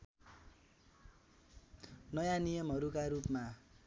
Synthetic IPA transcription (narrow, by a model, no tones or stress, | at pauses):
nʌjanijem̤ʌɾukaɾupma